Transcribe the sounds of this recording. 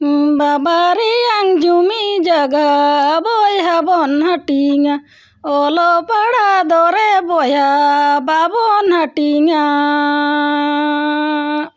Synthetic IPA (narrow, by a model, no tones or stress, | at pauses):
babaɾijaŋd͡ʒumid͡ʒaɡabɔjɦabɔnɦaʈiŋa | ɔlɔpaɽad̪ɔɾɛbojababɔnɦaʈiŋa